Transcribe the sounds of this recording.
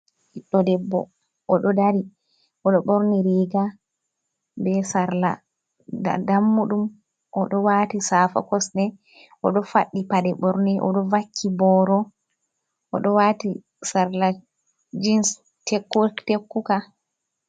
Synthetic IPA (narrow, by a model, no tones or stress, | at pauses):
ʔiɗːɔdɛbːɔ̰ | ʔɔɗɔdaɾi | ʔɔɗɔɓɔɾniɾiːɡa | bɛsaɾla̰ | a̰damːuɗum | ʔɔɗɔwatisaːfa̰kɔsnɛ | ʔɔɗɔfa̰ɗːipaɗɛɓɔɾnɛʔɔ̰ɗɔvakʰːibɔɾɔ | ʔɔ̰ɗɔwaːti | saɾla | d͡ʒins | tekːutekːuka